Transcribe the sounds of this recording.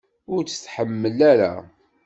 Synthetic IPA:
ʊɾt͡sə̥t͡sːħəmːəlæɾa̰

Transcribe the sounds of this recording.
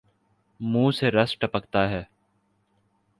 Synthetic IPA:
mũːseɾɐsʈɐpəkt̪aɦɛː

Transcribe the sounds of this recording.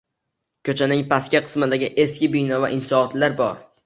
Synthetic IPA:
kʲʰɵt͡ʃʰanɪŋpʰaskʲaqʰɨ̥smɪd̪aɡʲɪʔeskʲɪbijnɒvaʔɪnsɒːt̪laɾbɒɾ

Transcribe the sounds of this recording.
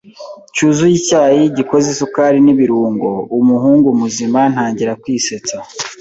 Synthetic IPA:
cuːzujicaːjiɟiko̞zisukaːɾiniβiɾuːŋɡo̞umuɦuːŋɡumuziman̥haːɲɟiɾakwiːset͡sa

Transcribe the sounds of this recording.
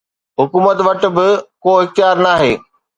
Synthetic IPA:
ɦʊkuːmət̪ʋɐʈ̆bɪkoːɦɪxt̪jaːɾnaːɦeː

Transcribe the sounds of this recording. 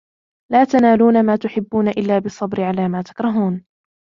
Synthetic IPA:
laːt̪anaːluːnamaːt̪ʊħɪbːuːnaʔɪlːaːbɨsˤːɑbɾɪʕalaːmaːt̪ḁkɾˤɑɦuːn

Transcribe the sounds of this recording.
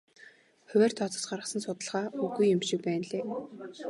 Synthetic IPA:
χʊwʲæːrt̪ʰɔt͡sɞ̆sɢaɾə̆χsə̆nsʊt̪ə̆ɮʁaːɵɣujːʊmʃɪ̆k̚pæːnɮeː

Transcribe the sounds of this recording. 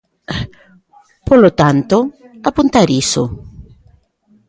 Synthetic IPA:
polot̪ant̪ʊ | apunt̪aɾisʊ̰

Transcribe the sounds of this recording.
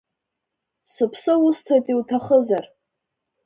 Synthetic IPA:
sɨpʰsɨʊstʰatʼiwtʰaχəzar

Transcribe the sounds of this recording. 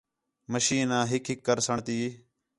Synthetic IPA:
məʃiːnãːɦɪkʰɪkːəɾsəɳt̪iː

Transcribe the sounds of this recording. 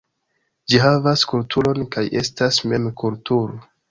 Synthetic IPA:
d͡ʒiɦavaskultʰulo̞nkajʔe̞stasme̞mkultuɾo

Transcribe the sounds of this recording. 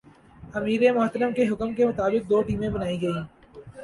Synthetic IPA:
ɐmiːɾemʊɦt̪ɾəmkeɦʊkəmkemʊt̪aːbɪk̚d̪oːʈiːmẽbɐnaːiɡɐĩː

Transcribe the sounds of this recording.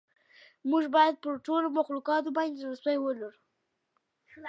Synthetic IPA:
muʒbɑjad̪̚pəɾʈolomaxlukɑt̪̬obɑnd̪eɾʊstajwəlaɾu

